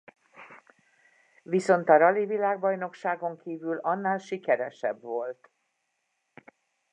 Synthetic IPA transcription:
viso̞nt̪ɒɾɒlivilaːɡbɒjno̞kʃaːɡo̞ŋkiːvylɒnːaːlʃikɛɾɛʃɛbvo̞lt̪

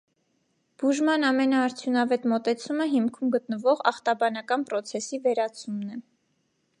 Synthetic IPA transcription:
b̥uʒmɑnɑmɛnɑːɾt͡sʰjunɑvɛt̪mɔt̪ɛt͡sʰuməɦimkʰumɡət̪nəvɔʁɑχt̪ɑbɑnɑkɑnpɾɔt͡sʰɛsivɛɾɑt͡sʰumnɛ

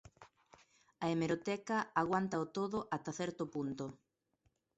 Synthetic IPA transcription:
ɐemeɾot̪ɛkɐaɣwant̪aɐot̪oðʊʔat̪aθɛɾt̪ʊpunt̪o

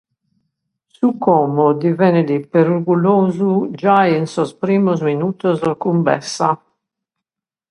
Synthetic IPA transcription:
sukɔːmod̪ivɛned̪ipeɾuɾɡuloːzud͡ʒajinsospɾiːmozminuːt̪ozlakumbɛ̰sa

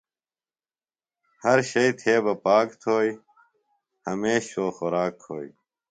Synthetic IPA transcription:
hɐɾɕɐit̪ʰeːbɐpaːkt̪ʰoːi | hɐmeːɕoːxoɾaːkhoːi

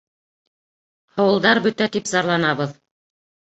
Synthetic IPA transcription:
ɑwɤ̆lˠd̪ɑɾbɵt̪æt̪ipzɑɾlˠɑnɑβɤð

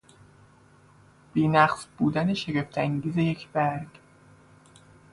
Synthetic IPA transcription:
b̥iːnæqsbuːd̪æneʃeɡe̞ft̪ʰæŋɟiːze̞je̞cʰb̥æɾɾɡ

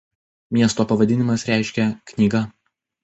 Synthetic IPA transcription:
mʲiɛst̪oːpɐʋɐd̪ʲɪnʲɪmɐsɾʲæˑɪʃʲkʲɛknʲiːɡɐ

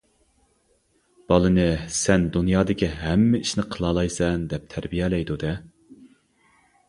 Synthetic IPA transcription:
b̥ɑlˠɨnɨsɛnd̪unjɑːd̪ɪkʲʰiɦɛmːɪiʃnɪqʰəlˠɑːlˠɑjsɛnd̪ɛp̚t̪ʰæɾbijɛlɛjd̪ud̪ɛ

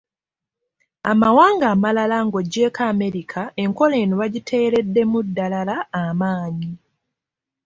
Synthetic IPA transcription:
a̰mawaːŋɡaːmalalaŋɡo̞ɟe̞kaːme̞ɾikʰae̞ŋko̞le̞ːnuβaɟitʰe̞ːɾe̞dːe̞mudːalalaːmaːɲi

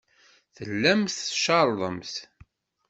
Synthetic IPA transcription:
θəlːæmθʃɑɾˤðˤəmθ

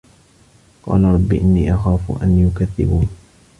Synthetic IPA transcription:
qɑ̰ːlaɾˤɑbːiʔɪnːiːʔɑxaːfʔa̰njʊkaðːɪ̰buːn

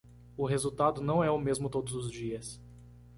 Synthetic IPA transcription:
ʊɦezuwt̪ad̪ʊnɐ̃w̃ɛʊmezmʊt̪od̪ʊzʊzd͡ʒiɐs

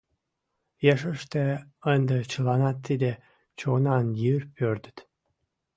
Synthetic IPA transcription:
jeʃəʃt̪eənd̪ət͡ɕəlɑnɑt̪ːid̪e | t͡ɕonɑnjirpʰøɾd̪ət̪

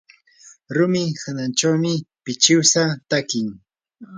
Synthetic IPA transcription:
ɾʊmɪhanant͡ʃawmɪpɪt͡ʃɪwsat̪akɪŋ

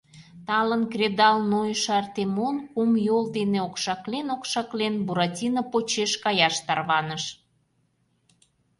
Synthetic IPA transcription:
t̪ɑlənkrʲed̪ɑlnojʃɑrt̪emonkumjold̪eneokʃɑklenokʃɑklenbuɾɑtʲinəpot͡ɕeʃkɑjɑʃt̪ɑrβɑnəʃ

